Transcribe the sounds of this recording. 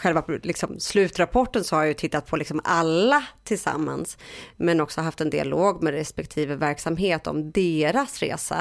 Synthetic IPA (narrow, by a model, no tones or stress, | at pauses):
ɧɛlvalɪksɔmslʉ̟ːt̪ɾapʰɔʈːənsɔhaɾjajɵt̪ʰɪt̪ːat̪̚pʰɔlɪksɔmalːat̪ʰɪlsa̰mːa̰nsmɛnɔksɔɦaft̪ɛnd̪ɪa̰loːɡmɛd̪ɾɛspɛk̚t̪ʰiːvəvæɾksamɦeːt̪ɔ̰md̪eːɾasɾḛːsa̰